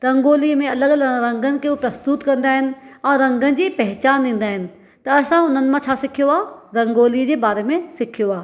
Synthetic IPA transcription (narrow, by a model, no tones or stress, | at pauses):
ɾɐ̃ŋɡoːlimẽɐləɠɾɐ̃ŋɡənɪ̆kʰeupɾɐst̪ʊt̪kɐ̃nd̪aːɦɪnɪ̆ɛ̃ːɾɐ̃ŋɡənɪ̆d͡ʑiːpɐɦɪt͡ɕaːnd̪ĩːn̆d̪aːɦɪnɪ̆ | t̪ɐɐsãʊn̤ənɪ̆mãt͡ɕʰaːsɪkʰijoaːɾɐ̃ŋɡoːlid͡ʑeːbaːɾemẽsɪkʰijoaː